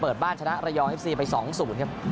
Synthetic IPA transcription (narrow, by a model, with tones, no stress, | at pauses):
pɤː˨˩t̪̚baː˥˩nt͡ɕʰa˧na˦˥ʔɾa˧jɔː˧ŋʔe˦˥p̚siː˧pa˧jsɔː˩˦ŋsuː˩˦nkʰa˦˥p̚